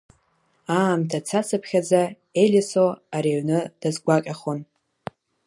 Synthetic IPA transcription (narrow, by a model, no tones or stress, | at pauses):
aːmtʰat͡sʰat͡sʰɨpʰχʲad͡za | elʲisoaɾiɥnɨd̥azɡʷaqʲʼaχon